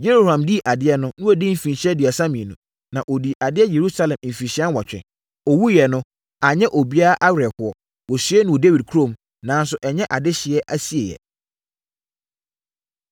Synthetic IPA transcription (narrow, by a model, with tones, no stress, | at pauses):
je˦ɾo˦˨hã˨mdi˦˨ʔa˨dɪ˦ɛ˦nʊ̃˦nʊ̃˦ɔ˨dɪ̃˦m̩˦fĩ˨n˨ɕɛ˦dɪ˨a˨sa˦mĩ˨nʊ̃˨ | nã˨ʔo˨di˨ʔa˨dɪ˦ɛ˦je˨ɾu˦sa˦lɛ̃˨mm̩˨fi˨ɕɪ˦ã˦n˦wa˨t͡ɕᶣɛ̰̃˨ | ɔ˨wu˦jɛ˨nʊ̃˦ | a˨ɲɛ̃˦ʔo˨bi˦a˦a˦ʔa˦wɛ˨hʊ˦ɔ˦ | wɔ˨sɥɛ˦nʊ̃˨wɔ˨de˦wi˨d̚kʰu˦ɾõ˦˨m | nã˨˦n˦sʊ˦ʔɛ˨ɲɛ̃˦ʔa˨dɪ˦ɕɪ˨ɛ˦ʔa˦si˨e˨jɛ̰˨